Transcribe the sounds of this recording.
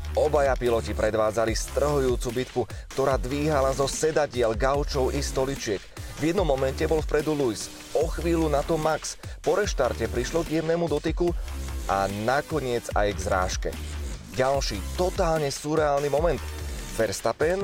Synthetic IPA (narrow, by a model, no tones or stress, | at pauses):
ɔbajapilɔcipɾɛd̪ʋaːd͡zalist̪r̩ɦujuːt͡subit̪kukt̪ɔɾaːd̪ʋiːɦalazɔsɛd̪aɟɪɛlɡaʊt͡ʃɔʊʔist̪ɔlit͡ʃɪɛkvjɛd̪nɔmːɔmɛntcɛbɔlfpɾɛd̪ulujs | ɔxʋiːlunat̪ɔmakspɔɾɛʃt̪aɾcɛpɾiʃlɔɡjɛmnɛːmud̪ɔt̪ikuʔanakɔɲɪɛd͡za̰jɡzɾa̰ːʃkɛ̰ɟalʃiːt̪ɔt̪aːlɲɛsuɾɛaːlnimɔmɛnt̪fɛɾst̪apɛn